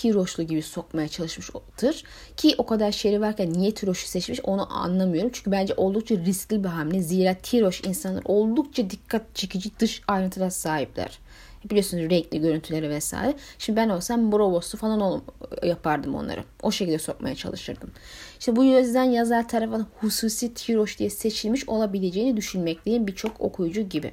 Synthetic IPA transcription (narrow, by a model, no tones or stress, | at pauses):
t̪ʰiɾo̞ʃlˠuɟibiso̞k̚majat͡ʃʰalˠɯʃmɯʃd̪̥ɯɾ̥ | cʰiʔo̞kʰad̪aɾʃejɾivaɾcʰænːijɛt̪ʰiɾo̞ʃu̥sɛt͡ʃmiʃo̞nuʔa̰nlˠamɯjo̞ɾumt͡ʃʰyɲcʰybænd͡ʒɛʔo̞lˠd̪uk̚t͡ʃʰaɾisclʲibiɦamlʲɛziːɾaːt̪ʰiɾo̞ʃinsanlˠa̰ɾo̞lˠd̪uk̚t͡ʃʰad̪ikʰːat̪̚t͡ʃʰe̞cʰid͡ʒid̪ɯʃajɾɯnt̪ʰɯd̪asaːɦiplʲæ̰ɾ̥ | bilʲiosnuzɾɛclʲiɟø̞ɾynt̪ʰylʲe̞ɾɛvɛsa̰ːjɾɛʃimd̪ibæno̞lˠsanbuɾo̞bo̞st̪ufalˠanojapʰaɾd̪ɯmonˠa̰ɾɯ̰ | o̞ʃecilʲd̪ɛso̞̰kma̰jat͡ʃʰa̰lˠɯʃɯ̰ɾd̪ɯm | iʃɛbujøzd̪ænjazaɾt̪ʰaɾafɯnhusuːsiːt̪ʰiɾo̞ʃd̪ijɛse̞t͡ʃʰilʲmiʃo̞lˠabilʲe̞d͡ʒe̞jinid̪yʃynmɛclʲejinbit͡ʃʰo̞kʰo̞̰kʰujud͡ʒuɟibḭ